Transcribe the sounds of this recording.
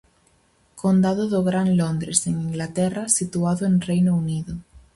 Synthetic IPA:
kond̪aðoðoɣɾanlond̪ɾeseŋiŋɡlat̪ɛrasit̪uaðoeŋrejnouniðo

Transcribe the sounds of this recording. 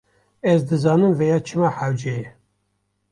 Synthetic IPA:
ɛzd̪ɨzɑːnɨmvejɑːt͡ʃʰɨmɑːħæwd͡ʒɛjɛ

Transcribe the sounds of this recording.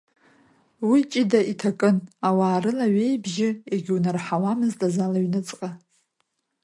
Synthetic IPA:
wit͡ʃʼidaʔitʰakʼɨnawaːɾɨlaɥe̞jbʒɪeɡʲunɨrħawamɨztʼazalaɥnɨt͡sʼqʼa

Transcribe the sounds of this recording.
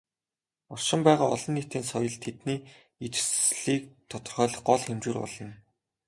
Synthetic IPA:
ʊrʃɪ̆mpæːʁaːɔɮɞ̆nːit̪iːnsɔjɞ̆ɮt̪ʰet̪niː | it͡ɕsɮiːk̚t̪ʰɔt̪ɞ̆rχœːɮɞ̆χɢɔɮxemt͡ɕuːrpɔ̰ɮɞ̆n

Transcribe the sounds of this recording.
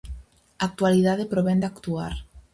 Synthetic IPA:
ak̚t̪waliðaðepɾoβend̪akt̪uaɾ

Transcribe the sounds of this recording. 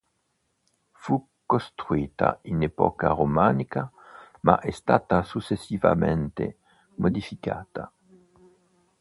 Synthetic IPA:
fu | kːost̪ɾuiːt̪a̰inɛpɔ̰karomaːnika | maʔɛst̪aːt̪asut͡ʃːesːiva̰ment̪e | mod̪ifikaːt̪a

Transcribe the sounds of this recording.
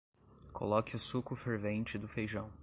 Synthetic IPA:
kʰo̰lɔkɪʊsukʊfeɾvẽnt͡ʃɪd̪ʊfejʒɐ̃w̃

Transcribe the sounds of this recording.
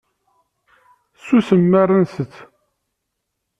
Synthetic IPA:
susəmːərənsət͡sː

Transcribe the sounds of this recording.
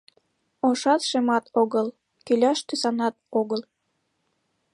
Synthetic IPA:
oʃɑt̪ʃemɑt̪oɣəl | kylʲɑʃt̪ysɑnɑt̪̚oɣəl

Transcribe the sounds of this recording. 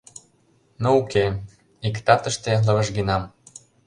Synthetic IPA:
nouke | ikt̪ɑt̪ə̆ʃt̪elɤ̆βə̆ʃɡinɑm

